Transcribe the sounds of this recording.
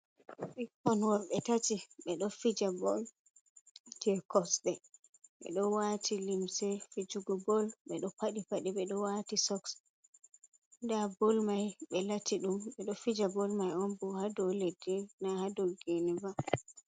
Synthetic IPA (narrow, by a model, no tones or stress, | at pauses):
ʔɛkkɔnwɔɾɓɛtatiɓɛɗɔfid͡ʒabɔl | tiɛkɔsɗɛ | ɓɛ̰ɗɔwatʰilimsɛfid͡ʒuɡɔbɔlɓɛɗɔpaɗipaɗiɓɛɗɔwatisɔks | ndabɔlmajɓɛlatiɗumɓɛɗɔfid͡ʒabɔlmajɔnbɔhadɔledːinahadɔlɡeniva